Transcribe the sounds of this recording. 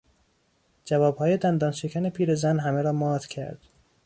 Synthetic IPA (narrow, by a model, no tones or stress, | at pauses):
d͡ʒævɒːb̥hɒːje̞d̪ænd̪ɒːnʃecʰæne̞pʰiːɾezænɦæmeɾɒːmɒːt̪cʰæ̰ɾd̪̥